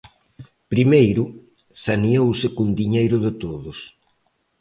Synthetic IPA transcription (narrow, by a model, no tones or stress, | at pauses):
pɾimejɾʊ | saniowsɪkund̪iɲejɾʊðɪt̪oðʊs